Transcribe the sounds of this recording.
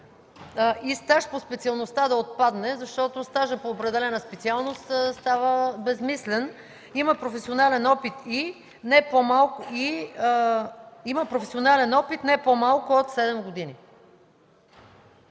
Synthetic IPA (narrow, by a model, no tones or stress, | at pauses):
ist̪aʃpospɛt̪siɐlˠnost̪ad̪ɐot̪̚pad̪nɛzɐʃt̪ɔt̪ost̪aʒəpoːpɾɛd̪ɛlɛnəspɛt̪sialˠnost̪st̪avəbɛzmislɛn | iməpɾofɛsionalɛnɔpit̪i | nɛpomalˠkʊi | iməpɾofɛsionalɛnɔpit̪nɛpomalˠkʊot̪sɛd̪ɛmɡod̪ini